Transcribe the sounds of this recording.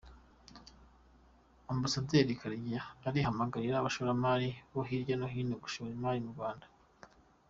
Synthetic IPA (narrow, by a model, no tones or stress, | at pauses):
ambasadeɾikaɾjaːɾihamaɡaɾiɾaβaʃoɾamaːɾiβoɦiɾɟanoɦiːnoɡuʃoɾimaːɾimuɡwaːndḁ